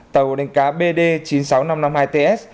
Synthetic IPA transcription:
t̪ə˨˩wɗa˨˦ŋ̟kaː˨˦ɓe˧ɗe˧t͡ɕi˨˦nsa˨˦wna˧mna˧mhaː˧jt̪e˧ʔɛ˦˥s̚

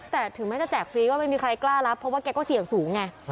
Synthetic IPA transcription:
t̪ɛː˨˩t̪ʰɯ˨˩˦ŋmɛː˦˥˩t͡ɕa˨˩t͡ɕɛː˨˩k̚fɾiː˦˥wɔː˥˩a˥˩jmiː˧kʰɾa˧jklaː˥˩la˦˥pʰːɔ˦˥waː˥˩kɛː˧kɔː˥˩si˨˩˦əŋsuː˩˦ŋːa˧˩

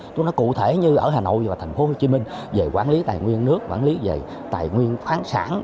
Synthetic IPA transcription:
t͡ɕʊ˨˧˦nɔ˨˦kṵ˧˨t̪ʰe˧˩ɲɨ˧ʔəː˧˩ɦaː˨˩no̰˧˨jvaː˨˩t̪ʰŋ̟fo˨˦ho˧t͡ɕi˨˦mï˧ŋ̟ve˨˩kwaː˧˩nli˨˦t̪a̰ː˨jŋwi˧ənːɨ˦˥ək̚kwa̰ː˧˩nli˨˦ve˨˩ | t̪a̰ː˨˩jŋwi˧ənxaː˨˦nsa̰ː˧˩n

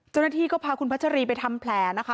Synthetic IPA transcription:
t͡ɕa˥˩wna˦˥t̪ʰiː˥˩kɔː˥˩pʰaː˧kʰu˧npʰa˦˥t̚t͡ɕʰa˧ɾiː˧p̬a˧jt̪ʰa˧mpʰlɛː˨˧˩na˦˥kʰa˦˥

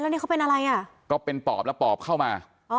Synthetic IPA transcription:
lɛ˦˥wniː˦˥˩ka˦˥wpe˧nʔa˧ɾa˧jʔa˥˩kɔː˥˩pe˧npɔ̰ː˨˩p̚lɛ˦˥wpɔː˨˩p̚kʰa˥˩wmaː˧ | ʔɔː˧˦

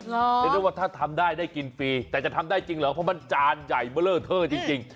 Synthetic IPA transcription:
e˧n˧˦˥waː˧˩t̪ʰa˥˩t̪ʰa˧mdaː˥˩jdaː˥˩jki˧nfiː˧t̪ɛː˨˩t͡ɕa˨˩t̪ʰa˧mdaː˥˩jt͡ɕi˧ŋlɯː˨˩˦əpʰɔ˧˥ma˧˥˩nt͡ɕaː˧nja˨˩jməː˧˩ləː˧˩t̪ʰəː˧˩t͡ɕi˧ŋt͡ɕi˧ŋ

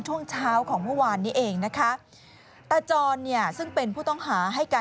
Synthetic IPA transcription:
ŋt͡ɕʰu˥˩əŋt͡ɕʰaː˦˥wkʰɔː˩˦ŋmɯ˥˩waː˧nːiː˦˥ʔeː˧ŋna˦˥kʰa˦˥ | t̪a˧t͡ɕɔː˧nːi˥˩ɐəsɯ˥˩ŋpe˧npʰuː˥˩t̪ɔ˥˩ŋɦaː˩˦ɦa˥˩jkaː˧

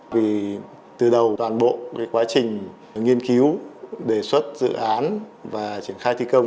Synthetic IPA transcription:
vi˨˩ | t̪ɨ˨˩ɗə˨˩wt̪waː˨˩nɓo̰˧˨kaː˨˦jkwaː˨˦t͡ɕï˨˩ŋ̟ | ŋi˧ənki˨˦wɗe˧˩swə˦˥t̚zɨ̰˧˨ʔaː˨˦nvaː˨˩t͡ɕi˧˩ənxaː˧jt̪ʰi˧kə˧wŋ͡m

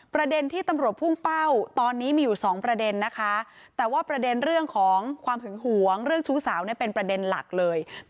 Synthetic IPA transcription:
pɾa˧de˧nt̪ʰiː˥˩t̪a˧mɾu˨˩ət̪̚pʰu˥˩ŋpa˥˩wt̪ɔː˧nːiː˦˥miː˧juː˨˩sɔː˩˦ŋpɾa˧de˧nːa˦˥kʰa˦˥ | t̪ɛː˨˩waː˥˩pɾa˧de˧nɾɯ˥˩əŋkʰɔː˩˦ŋkʰwaː˧mt̪ʰɯ˩˦ŋɦu˨˩˦əŋɾɯ˥˩əŋt͡ɕʰu˦˥saː˩˦wni˥˩əpe˧npɾa˧de˧nla̰˨˩k̚lɤː˧j

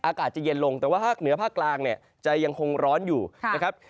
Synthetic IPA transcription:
ʔaː˧kaː˨˩t̪̚t͡ɕa˨˩je˧nlo˧ŋt̪ɛː˨˩waː˥˩pʰaː˥˩k̚nɯ˩˦ɐpʰaː˥˩kːlaː˧ŋni˥˩ə | t͡ɕa˨˩ja˧ŋkʰo˧ŋɾɔː˦˥njuː˨˩na˦˥kʰa˦˥p̚

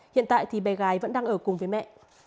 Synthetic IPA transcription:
hḭ˧˨nt̪a̰ː˧˨jt̪ʰi˨˩ɓa˨˩ɣaː˨˦jvə̰˧˥nɗaː˧ŋʔəː˧˩kʊ˨˩ŋ͡mvəː˨˦jmɛ̰˧˨

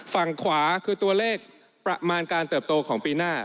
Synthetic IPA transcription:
fa˨˩ŋkʰwaː˩˦kʰɯː˧t̪u˧ɐleː˥˩k̚ | pɾa˧maː˧nkaː˧nt̪ɤː˨˩p̚t̪oː˧kʰɔː˩˦ŋpiː˧naː˥˩

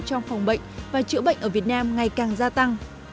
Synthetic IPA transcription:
t͡ɕɔ˧wŋ͡mfa˨˩wŋ͡mɓə̰˧˨jŋ̟vaː˨˩t͡ɕɨ̰˧˥əɓə̰˧˨ŋʔəː˧˩vi˨˩ət̚naː˧mŋa˨˩jkaː˨˩ŋzaː˧t̪a˧ŋ

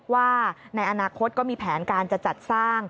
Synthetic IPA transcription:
waː˥˩na˧jʔa˧naː˧kʰo˦˥t̪̚kɔː˥˩miː˧pʰɛː˩˦nkaː˧nt͡ɕa˨˩t͡ɕa˨˩t̪̚saː˥˩ŋ

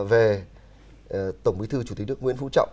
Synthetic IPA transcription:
ve˨˩ | t̪ə˧˩wŋ͡mwi˨˦t̪ɨ˧t͡ɕu˧˩i˨˩nɨ˦˥əkŋwḭ˧ənfṵ˧˥t͡ɕɔ̰˧˨

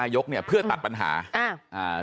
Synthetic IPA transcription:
aː˧jo˦˥k̚ni˥˩ɐpʰɯ˥˩ɐt̪a˨˩t̪̚pa˧nɦa̰ː˩˦ʔa˧˩ʔaː˧˩

